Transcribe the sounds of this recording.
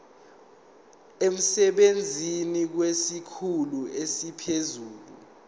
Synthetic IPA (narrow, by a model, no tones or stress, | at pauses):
em̩sɛɓend͡zʱinik̬wesikʰuluesipʰezuːlṵ